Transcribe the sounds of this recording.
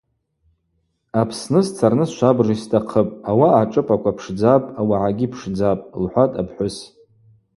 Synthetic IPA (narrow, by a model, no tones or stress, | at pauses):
apʰsnɨst͡sʰarnɨsʃʷabristʰʼaqʰəpʼawaːʈ͡ʂʼɨpʰʼakʷʰapʰʂd͡zapʼawaʕaɡʲipʰʂd͡zapʼlħʷatʼapʰħʷʊs